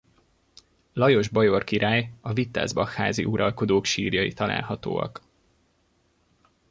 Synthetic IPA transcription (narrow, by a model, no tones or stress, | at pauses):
lɒjo̞ʒbɒjo̞rkiɾaːjɒvit̪ːa̰ːzbɒxha̰ːzḭʔuɾɒlko̞d̪oːkʃiːrjɒjit̪ɒla̰ːlɦɒt̪o̰ːɒ̰k